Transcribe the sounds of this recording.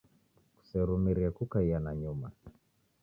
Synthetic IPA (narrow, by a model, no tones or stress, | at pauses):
ku̥sɛɾumiɾiakukaianaɲuma